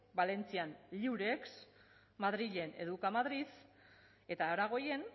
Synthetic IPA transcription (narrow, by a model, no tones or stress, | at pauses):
bale̞nt͡sianliwɾeks | maðɾiʎe̞ne̞ðukamaðɾið | e̞t̪aːɾaɣ̞o̞je̞n